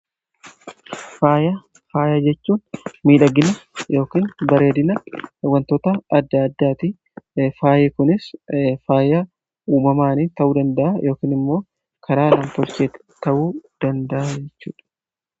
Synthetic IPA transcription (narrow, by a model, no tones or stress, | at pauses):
faːjɐ | faːjɐd͡ʒɛt͡ʃːuːnmiːᶑɐɡɪnɐjo̞ːkiːnbɐɾe̞ːd̪ɪnɐwɐnt̪ot̪ɐɐd̪ːɐːd̪ːaːt̪ɪ | faːjeːkʊnɪsfaːjɐ | uːmɐmaːniːt̪ɐʔuːd̪ɐnd̪ɐʔajo̞ːkiːnɪmːo̞ː | kʰɐɾaːlɐmt̪ɔlt͡ʃeːt̪ɛ̥ | t̪ɐʔuːd̪̥ɐnd̪ɐʔad͡ʒɛt͡ʃːuːᶑɐ̥